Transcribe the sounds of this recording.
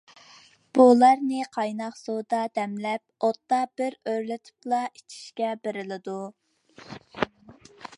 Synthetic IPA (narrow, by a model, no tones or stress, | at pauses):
b̥ulˠɑɾnɨqʰɑjnɑqsod̪ɑd̪ɛmlɛp̚ot̪ːɑbɪɾøɾlɪt̪ʰɪ̥plˠɑit͡ʃʰi̥ʃkʲɛbeɾɪlɪd̪u